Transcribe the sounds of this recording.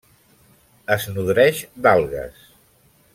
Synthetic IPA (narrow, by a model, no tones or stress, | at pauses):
əznuðɾɛʒd̪alˠɣə̰s